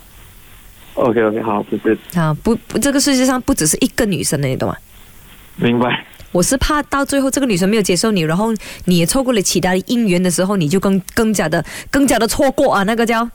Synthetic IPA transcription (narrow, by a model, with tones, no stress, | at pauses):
o̰˧ʊkʰe˥˧o˧kʰe˥˧ɑ˨˩˦ʊpu˥ʂ̩˥˩a˧˩pu˧˥pʈ͡ʂɤ˥˩ɡə˨˩ʂɻ̩˥˧ɕ̬jɛ˥ʂɑ˥˧ŋpu˥˩ʈ͡ʂɻ̩˨˩ʂ̬ɻ̩˥˧ʔi˥ɡə˨ny̰˨˩ʂə˧˥ŋnə˧˩ni˨˩d̪ə̰˨˩ŋa̰˨˩ | mi˧˥ŋba˧ɪwɔ˨˩ʂɻ̩˥˧pʰa˥˧t̪ɑ˥˧ʊt͡swe˥˧ɪxo˥˧ʈ͡ʂɤ˥˩ɡə˩ny˨˩ʂə˥nm˧˥jt͡ɕjɛ˧˥ʂo˥˩ʊni˨˩ɻa˧˥nxo˥˩ʊni˨˩jɛ˨˩t͡sʰo˥˧kwɔ˥˩lə˨˩t͡ɕʰi˧˥t̪ʰa˥ə˨˩ʔi˥ŋɥɛ˧˥nd̪ə˨ʂɻ̩˧˥xo˥˧ʊni˨˩t͡ɕjo˥˧ʊkə˥˧ŋkə˥˧ŋt͡ɕja˥˩d̪ə˨kɤ˥˧ŋt͡ɕja˥˩d̪ə˨t͡sʰwɔ˥˧kwɔ˥˩ɐ˨na˥˩ɡə˨t͡ɕjɑ˥˧ʊ